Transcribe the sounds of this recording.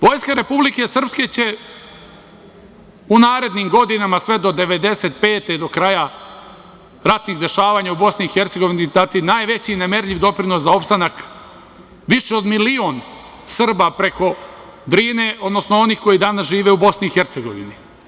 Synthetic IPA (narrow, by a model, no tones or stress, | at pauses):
ʋo̞ːjskaɾe̞publike̞sr̩pske̞t͡ɕe̞ | unaːɾe̞d̪niːmɡo̞d̪inamasʋe̞d̪o̞d̪e̞ʋe̞d̪e̞se̞t̪̚pe̞ːt̪ed̪o̞kɾaja | ɾat̪niɣd̪e̞ʃaːʋaːɲaubo̞sniixe̞ɾt̪seɡo̞ʋinid̪at̪inaːjʋe̞t͡ɕineme̞ɾʎiʋd̪o̞pɾino̞szao̞pst̪anak | ʋiʃeo̞d̪milio̞n | sr̩bapɾe̞ko̞ | d̪ɾiːneʔo̞d̪no̞snoo̞nixko̞jid̪anasʒiːʋe̞ubo̞sniːxe̞ɾt̪seɡo̞̰ʋḭni